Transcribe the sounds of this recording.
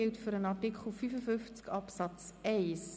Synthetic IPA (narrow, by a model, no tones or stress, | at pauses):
ɪltføɾənɑtikχl̩ˠfyfəfʏnft͡skɑpsɑt͡sɛɪs